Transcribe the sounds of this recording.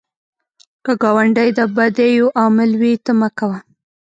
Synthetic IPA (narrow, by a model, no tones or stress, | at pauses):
kəɡɑwaɳɖajd̪əbad̪ejoʔɑmɪlwit̪amakawa